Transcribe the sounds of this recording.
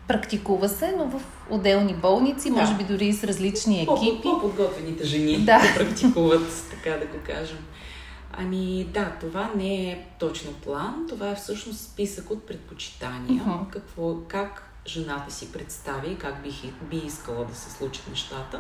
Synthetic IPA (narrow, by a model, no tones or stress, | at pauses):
pɾɐkt̪ikuvɐsɛnovəf | o̰d̪ɛlˠnibɔlˠnit̪simɔʒɛbid̪ʊɾisɾɐzlit͡ʃniɛpk̟ipkod̪ɡɔt̪vɛnit̪ɛʒɛnid̪apɾɐkt̪ikuvət̪t̪ɐ̥kad̪ɐɡoka̰ʒɛm | ɐ̰mid̪at̪ovanɛɛt̪ɔt͡ʃnoplˠant̪ovaɛfsɤʃnost̪spisəkot̪̚pɾɛt̪̚pot͡ʃi̥t̪anijəkɐkvɔkak | ʒɛnat̪əsipɾɛt̪st̪avʲiːkakbibiiskəlˠəd̪ɐsɛ̥slˠut͡ʃə̥t̪nɛʃt̪at̪ə